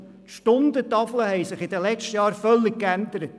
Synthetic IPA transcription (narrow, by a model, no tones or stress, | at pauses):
ʃtʊnd̪ət̪ɑfləɦɛɪsɪχɪd̥̪əlɛt͡ʃtəjɑːɾfœlːɪkkænd̪əɾət̪